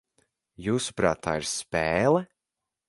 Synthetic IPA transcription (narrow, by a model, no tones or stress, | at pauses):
juːsu̥pɾa̰ːt̪ːa̰ːiɾspɛːlˠɛ